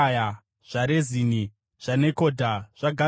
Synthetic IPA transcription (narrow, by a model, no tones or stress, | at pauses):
ja | ʐ̥aɾezini | ʐ̥ane̞ko̞dʱaʐ̥aɡʱa